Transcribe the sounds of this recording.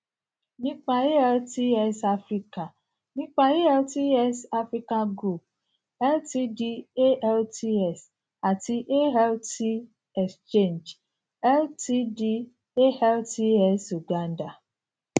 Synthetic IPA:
nĩ˦k͡pa˨e˦ɛ˦lti˦ɛ˦sa˦fɾi˦ka˨ | nĩ˦k͡pa˦e˦ɛ˦lti˦ɛ˦sa˦fɾi˦ka˦ɡɾu˨p̚ | ɛ˦lti˦di˦e˦ʔɛ˦lti˦ɛ˨s | a˨ti˦ʔe˦ɦɛ˦lti˦ | ɛ˨kst͡ʃe˦˨nd͡ʒ | ɛ˦lti˦di˦ | e˦hɛ˦lti˦ɛ˦su˨ɡa˦n˦da˨

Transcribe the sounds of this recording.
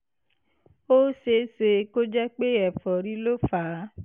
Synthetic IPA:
o˦se˧˦se˧ko˦d͡ʒɛ˦k͡pe˦ɛ˨fɔ˨ɾi˦lo˦faː˨˦

